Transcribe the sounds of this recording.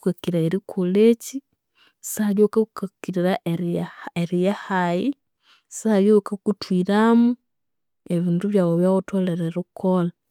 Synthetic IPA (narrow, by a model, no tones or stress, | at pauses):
ukakiɾaeɾikʰuleci | saljokakukakiɾiɾaʔeɾeɾijahaji | saljokakutwiɾamu | eβiːnduβjaβoβjawotoleɾeɾukʰola